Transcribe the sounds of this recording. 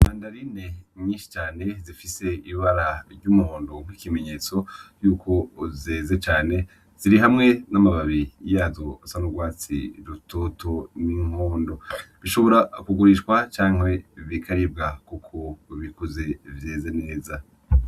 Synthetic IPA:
maːndaɾine̞ɲĩːnʃi̥t͡ʃaːne̞zifise̞iβaɾaɾɟumuho̞ːndo̞ŋ̥ikime̞ɲe̞ːt͡so̞juːkʰo̞zeːzet͡ʃaːne̞ | z̥iɾiɦamŋe̞namaβaβijaːzosanuɡwaːt͡sḭɾutoːtoniŋ̥hoːndo̞βiʃo̞βo̞ɾakuɡuɾiʃkwat͡ʃaːŋ̥e̞βikʰaɾib̚ɡakukʰoβikuze̞vje̞ːzene̞ːza

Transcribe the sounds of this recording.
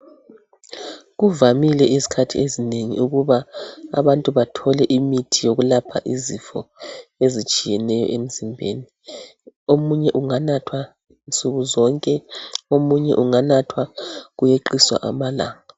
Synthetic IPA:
ɣuvamilɛʔizi̥kʰatʰḭezineŋḭuɣuβa̰ːβantʼuβatʰɔlɛʔimitʰijoɣulapʰa̰ʔizifɔezit͡ʃʼijɛnɛjɔ̰ʔem̩zimbʱḛːni | omuɲɛʔuŋanatʰwa | nt͡sʼuɣuzɔŋkʼɛomuɲɛ̰ʔuŋanatʰwaɣujeǃiswa̰ʔa̰mala̰ːŋa

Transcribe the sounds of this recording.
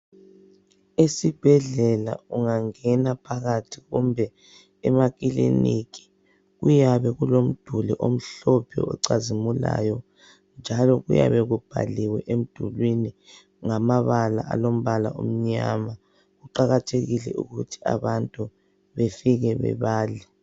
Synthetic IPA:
esib̥ʱɛɮɛla̰uŋaŋɛnapʰaɣatʰiɣumbʱɛ | ɛmaɣʼilḭnik̬ʰʼi̥ | ɣujaβɛɣulom̩d̥ʱuliʔom̩ɬɔpʰɛ̰ɔ̰ǀazimula̰jɔ | nd͡ʒʱalɔɣuja̰βɛɣub̥ʱa̰liwɛʔem̩d̥ʱulwini | ŋamaβala̰ʔalom̩βala̰ʔom̩ɲa̰ma | ɣuǃaɣatʰeɣilɛ̰ṵɣutʰi̥a̰βantʼu | βefiɣɛβɛ̰βaːlɛ

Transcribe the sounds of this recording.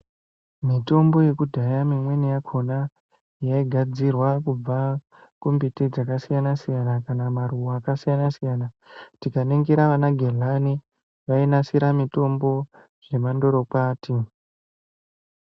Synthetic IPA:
mito̞mbo̞je̞kudʱajamimwe̞nijakʰo̞na | jaiɡʱad͡zirwakub͡va | kumbited͡zakasijanasijanakanamaruaːkasijanasijana | tikaneŋɡeɾaʋanaɡʱelani | ʋainasiɾamito̞mbo̞ | ʐ̥e̞mando̞ɾo̞kaːtʰi

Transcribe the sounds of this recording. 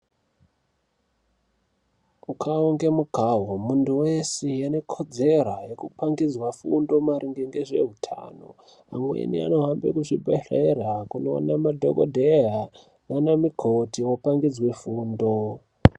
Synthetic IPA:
ukʰaoŋɡemukaɦomuntuwesijane̞kʰo̞d͡ze̞ɾajekupaŋɡid͡zwafṵndo̞maɾiŋɡeŋɡe̞ʐe̞̰ɦutʰa̰ːno̰ | amwḛnḭa̰no̞ɦambḛkuʐibʱeɬerakunoo̰namadʱo̰ko̰dʱeɦa | nanamikʰotiwopaŋɡid͡zwefuːndo

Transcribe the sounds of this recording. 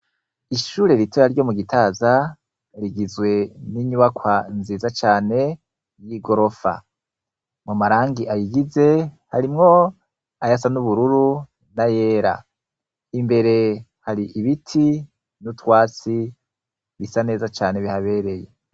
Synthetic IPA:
iʃuːɾe̞ɾitʰoɾaɾɟo̞muɡitʰaːza | ɾiɡizwe̞niɲuβakʰwanziːzat͡ʃaːne̞ | jiɡo̞ɾo̞fa̰ | mumaɾaːŋɡiʔajiɡize̞haɾimŋo̞ | ajasanuβuɾuɾu | naje̞ːɾa̰ | imbe̞ɾe̞haɾiʔiβitʰi | nutwaːt͡si | βisane̞ːzat͡ʃaːne̞βihaβe̞ːɾe̞je

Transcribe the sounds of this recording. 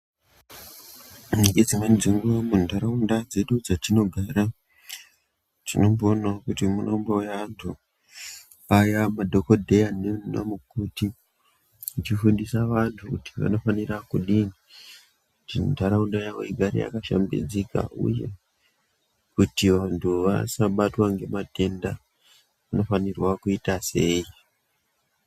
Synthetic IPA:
unikɡed͡zimanid͡ziŋɡuamundʱaɾaundad͡ze̞ɗud͡zatino̞ɡʱaːɾa | tino̞mbonakutimunoumbajantʰu | ajamadʱo̞kodʱejanena̰mukuti | ut͡ʃifundisaʋantʰukutiʋa̰no̞fanirakuɗini | tintaɾaundajao̰iɡʱaɾḭja̰kaʃa̰mbḭd͡zika̰ṵje̞ | kutiʋantʰuʋa̰saɓatwaŋɡe̞matʰe̞nda | ʋano̞fanirwakuitase̞i

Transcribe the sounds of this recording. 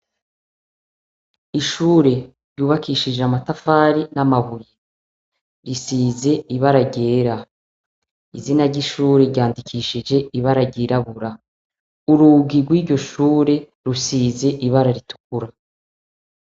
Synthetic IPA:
iʃuːɾe̞ | ɾɟuːβakʰiʃid͡ʒeamatafaːɾinamaβuje | ɾisize̞iβaɾaɟe̞ːɾa | izinaɾɟiʃuːɾe̞ɾɟaːndikʰiːʃid͡ʒe̞iβaɾaɾɟiɾaβuɾa | uɾuɡiɾɡwiːɾɟo̞ʃuːɾe̞ | ɾusiːze̞ʔiβaɾaɾitu̥k̚uɾa

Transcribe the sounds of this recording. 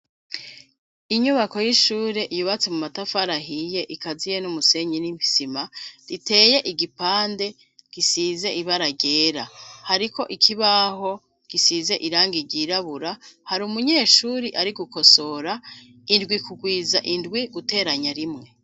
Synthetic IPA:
iɲuβako̞jiʃuːɾe̞ʔijuβat͡semumatafaɾaɦije̞ʔikazijenumuse̞ɲinimpi̥simaɾite̞ːje̞ʔiɡipaːnde̞ | ɡ̥isize̞ʔiβaɾaɟeːɾahaɾiko̞ʔikʰiβaɦo̞ | ɡ̥isiːze̞ʔiɾaːŋɡiɾɟiɾaβuɾahaɾumuɲe̞ːʃuːɾiʔaɾiɡuko̞so̞ɾa | indɡwikʰuɡwiːzaʔindɡwiɡute̞ːɾaɲaɾimŋe̞

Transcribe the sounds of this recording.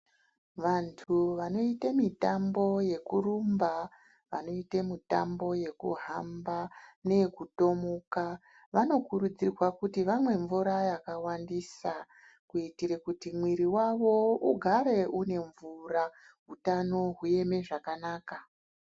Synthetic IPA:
ʋantʰuʋano̞itemitambo̞je̞kurumba | ʋa̰no̞itemitambo̞je̞kṵɦambane̞kuto̞moka | ʋano̞kurud͡zirwakutiʋamwe̞ɱvuɾajakawandisa | kuitiɾekutimwiɾiwaʋo̞uɡʱaɾe̞ʔune̞ɱvura | ɦutano̞ɦuje̞me̞ʐakanaːka

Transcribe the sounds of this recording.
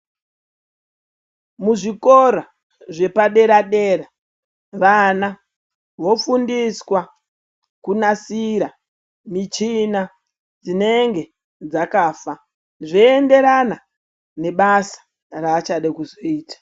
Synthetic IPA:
muʐikoɾa | ʐe̞paɗe̞ɾaɗe̞ɾa | ʋana | ʋo̞fundiswa | kunasiɾa | mit͡ʃina | d͡zine̞ŋɡe̞ | d͡zakaːfa | ʐiende̞ɾana | ne̞ɓasḁ | raːt͡ʃaɗekuzoiːtḁ

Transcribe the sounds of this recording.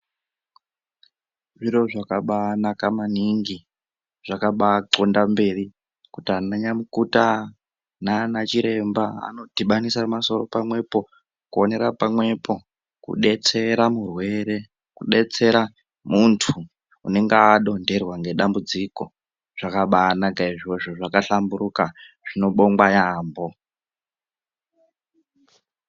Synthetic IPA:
ʐiɾo̞ʐakaɓanakamaniŋɡi | ʐ̥akaɓaǃondambe̞ri | kutianaɲamukuta | nanat͡ʃiɾe̞mbaa̰no̞dʱiɓanisamaso̞ro̞pamwe̞po̞ | kuone̞ɾapamwe̞po̞ | kṵɗe̞t͡se̞ɾamurwe̞ɾe̞ | kuɗe̞t͡se̞ɾa | muntʰu | une̞ŋɡeːɗo̞nde̞rwaŋɡe̞ɗambud͡ziko̞ | ʐ̥akaɓanaɡaiʐiweʐoʐakaɬambuɾuka | ʐ̥ino̞ɓo̞ŋɡwajaːmbo̞

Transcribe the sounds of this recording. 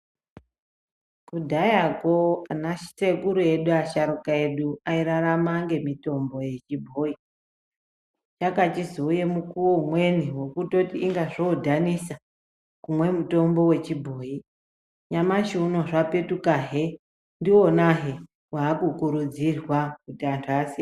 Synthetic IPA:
kudʱajakoanaʃsekuɾue̞ɗuaʃaɾukae̞ɗuaiɾaɾamaŋɡe̞mito̞mbo̞jet͡ʃibʱoːi | t͡ʃakatizoje̞mukuwomwe̞niwo̞kutotiːŋɡaʐodʱanisa | kumwe̞muto̞mbo̞we̞t͡ʃibʱo̞ːi | ɲamaʃuuno̞ʐape̞tukaɦe̞ | ndiwo̞naɦe | waːkukuɾud͡zirwakutantʰasi

